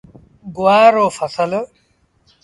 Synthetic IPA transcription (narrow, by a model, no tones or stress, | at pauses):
ɡʊwaːɾoːfɐsəl